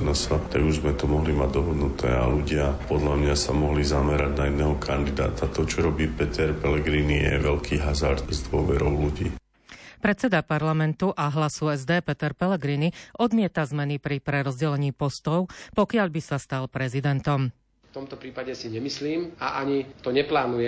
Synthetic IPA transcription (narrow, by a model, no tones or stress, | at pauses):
nasat̪aɡuʒzmɛt̪ɔmɔɦlimaɟd̪ɔɦɔd̪nut̪ɛ̰ːa̰luɟɪapɔd̪ʎamɲasamɔɦlizamɛɾaɟnajɛd̪nɛɦɔkʰand̪id̪aːt̪at̪ɔt͡ʃɔɾɔbiːpɛt̪ʰɛɾpɛlɛɡɾiːnijɛ̰ʋɛʎkʰiːɦazaɾd̪zd̪ʊɔʋɛɾɔʊluɟiː | pɾɛt̪t͡sɛd̪apaɾlamɛnt̪uʔaɦlasuɛzd̪ɛːpɛt̪ɛɾpɛlɛɡɾiniʔɔd̪mɪɛt̪azmɛnipɾipɾɛɾɔzɟɛlɛɲiːpɔst̪ɔʊpɔkɪaʎbisast̪alpɾɛzid̪ɛnt̪ɔm | ft̪ɔmt̪ɔpɾiːpaɟɛsiɲɛmisliːmaʔaɲit̪ɔɲɛplaːnujɛ